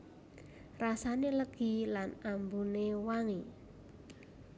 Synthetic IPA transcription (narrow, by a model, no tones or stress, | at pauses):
rasaneləɡ̥ilanambunewaŋi